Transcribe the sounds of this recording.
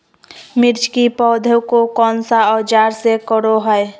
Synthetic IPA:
mɪɾt͡ʃʰkipɔd̪ʱəwkokɔnsaɔd͡ʒaːɾsekəɾoɦəe

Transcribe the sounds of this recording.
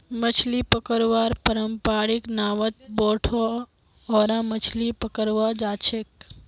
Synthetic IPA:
mət͡ʃʰlipəkəɾʋaːɾpəɾəmpaːɾɪknaːʋət̪̚bɔːʈʰo | ɔːɾãmət͡ʃʰlipəkəɾʋaːd͡ʒaːt͡ʃʰek

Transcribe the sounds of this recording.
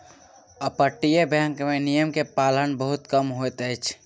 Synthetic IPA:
əpəʈːijebʱə̃ŋkmenijəmkepalənbəɦut̪kəmɦojt̪əjt͡ʃʰ

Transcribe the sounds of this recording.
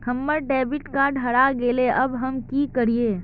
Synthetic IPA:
kʰɐmːəɾɖɛːbɪʈkaɖʱɐɽaɡeːleʔɐbɦɐmkikɐɾieː

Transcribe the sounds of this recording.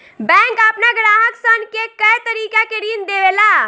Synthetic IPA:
bɛ̃ːŋkəpnaɡɾaːɦəksənkekɐjt̪əɾiːkakeɾiːnd̪eːʋeːlaː

